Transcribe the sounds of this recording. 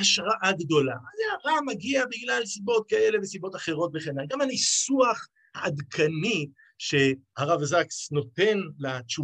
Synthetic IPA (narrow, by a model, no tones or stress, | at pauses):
haʃʁaʔaɡd̪o̞lazeaʁamaɡiabiɡlalsibo̞t̪̚kae̞levesibo̞t̪aχe̞ʁo̞t̪veχenalɡamhanisuaχ | haːd̪kʰani | ʃe̞haʁavazaksno̞t̪e̞nlat͡ʃu